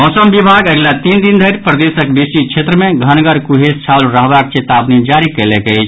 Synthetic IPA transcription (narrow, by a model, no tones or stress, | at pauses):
mɔsəmbibʱaɡəɡlat̪ind̪ind̪ʱəɾpɾəd̪esəkbisit͡ʃʰet̪ɾəmẽɡʱənɡəɾkuɦest͡ʃʰalɾəɦbak̚t͡ʃet̪abnid͡ʒaɾikəlɛkɛjt͡ʃʰ